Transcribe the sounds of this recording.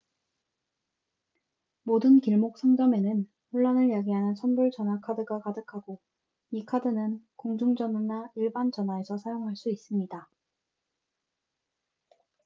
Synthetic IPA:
modɯnkiɭmok̚s͈ʰʌŋd͡ʑʌme̞nɯn | ɸuɭːʌnɯɭjaɡiɦanɯnsʰʌnbuɭt͡ɕʌnwakʰadɯɡakadɯkʰaɡo | ikʰadɯnɯnkoŋd͡ʑuŋd͡ʑʌnunaiɭbant͡ɕʌnɦaesʰʌsʰajoŋɦaɭs͈uis͈ɯmɲida

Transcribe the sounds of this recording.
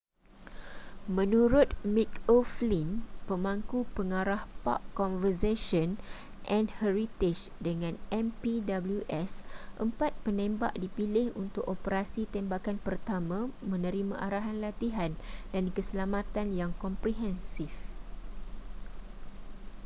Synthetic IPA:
mə̃nũɾʊt̪̚mikoflinpəmaŋkupəŋaɾahpa̰ʔkːɔnvəseʃɔn | ʔɛ̃nhɛɾit̪ɪt͡ʃ | dəŋãnʔɛmpidabəljuʔɛsʔəmpat̪̚pənẽmbaʔdipilɪhunt̪ʊkopəɾasit̪ɛmbakanpərt̪amãmə̃nə̃ɾimã̰ʔaɾaɦanlat̪iɦandankəsəlamãt̪anjaŋkɔmpɾiɦɛnsif

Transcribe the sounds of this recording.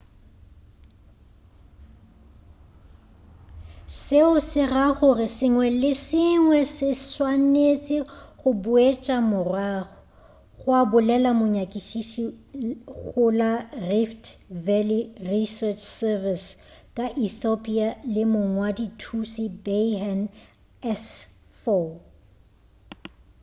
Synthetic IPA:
sɪʊsɪraχʊrɪsɪŋwɛlɪsɪŋwɛsɪswanet͡sʼɪχʊbʊet͡ʃʼamʊrwaːχɔ | ɣʊabʊlɛlamʊɲakʼiʃiʃi | ɣʊlariftvɛlirisɛt͡ʃʰsɛviskʼaʔiθopʼialɪmʊŋwaditʰusibean | ɛs | fɔ

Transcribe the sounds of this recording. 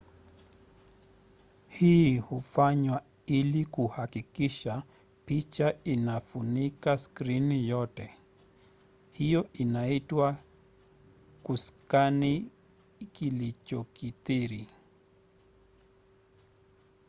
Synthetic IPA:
hiːhufaɲwa | ilikuhakikiʃa | pit͡ʃainafunikaskɾinijɔtɛ | hijɔinaitwa | kuskani | kilit͡ʃɔkitiɾi

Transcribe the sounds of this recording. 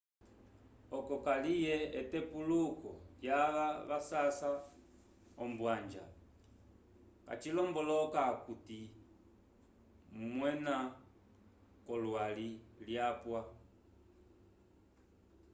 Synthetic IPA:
ɔkɔkalijɛɛtɛpulukɔjaβaβasasa | ɔmbwand͡ʒa̰ | ka̰t͡ʃilɔmbɔlɔkakuti | mwɛna | kɔlwaliljapwa

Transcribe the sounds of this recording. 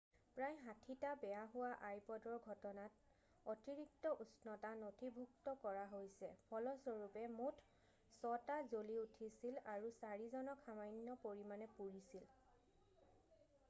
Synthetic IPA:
pɹajɦãtʰitabɛjaɦʊwaʔajpɔdɔɹɡʱɔtɔnat | ɔtiɹik̚tɔʔusnɔtanotʰibʱuk̚tɔkɔɹaɦojsɛpʰɔlɔsɔɹupɛmutʰ | sɔtazoliutʰisilaɹusaɹizɔnɔkʰamajnːɔpoɹimanɛpuɹisil

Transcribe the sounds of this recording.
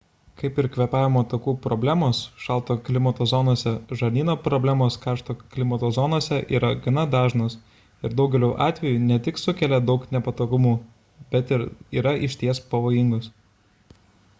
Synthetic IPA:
kɐɪpɪɾkʋʲɛpɑːʋʲɪmoːt̪oːkuːpɾɔbʲlʲæːmoːsʃɐlˠt̪oːklʲɪmɐt̪oːzɔːnoːsʲɛʒɐɾʲnʲiːnoːpɾɔbʲlʲæːmoːskɑˑɾʃt̪oːklʲɪmɐt̪oːzɔːnoːsʲɛʔḭːɾɐɡɐnɐd̪ɑːʒnoːs | ɪɾd̪ɐʊɡʲɛlʲuːʔɑːt̪ʲʋʲɛjuːnʲɛt̪ʲɪksʊkʲɛlʲɛd̪ɒʊknʲɛpɐt̪oːɡʊmuː | bʲɛt̪ɪɾiːɾɐʔɪʃʲt̪ʲiɛspɐʋoːjɪŋɡoːs

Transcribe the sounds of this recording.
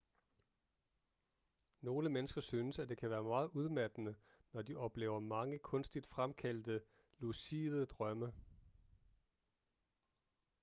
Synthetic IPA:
no̝ːləmenəsɡ̥ɐsyːnəsæd̥e̝kʰæʋæːɐmɑ̈ːð̩ˠuð̞ˠmæd̥ənə | nɒd̥iʔɒ̽b̥le̝̰ːʊɐmɑ̈ŋəkʰɔ̽nsd̥id̥fʁamkʰæl̰d̥ə | lusiːð̩ˠd̥ʁɶmə

